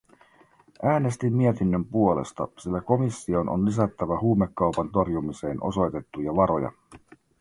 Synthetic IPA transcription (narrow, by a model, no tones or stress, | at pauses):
ʔæːne̞st̪imːie̞t̪inːømpuo̞le̞̰st̪ɑ̰silːæko̞misːio̞nʔo̰nlis̬æt̪ːæʋæhuːmekːɑwpɑnt̪o̞rjumise̞ːnʔo̞̰so̞jt̪e̞t̪ːujɑʋɑɾo̞̰jɑ̰